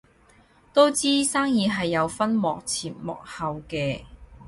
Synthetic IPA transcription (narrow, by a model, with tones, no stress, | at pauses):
t̪o˥wt͡siː˥saː˥ŋjiː˨˧ɦɐ˨jːɐ˨˧wfɐ˥nmɔ̰ː˨k̚t͡sʰiː˨˩nmɔ̰ː˨k̚hɐ˨wkɛː˧